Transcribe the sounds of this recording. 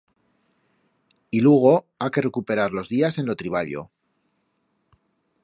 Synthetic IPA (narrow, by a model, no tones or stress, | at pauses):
ilweɣ̞o̞ | ake̞re̞kupe̞ɾaɾlo̞zðiase̞nlo̞t̪ɾiβ̞aʎo̞̰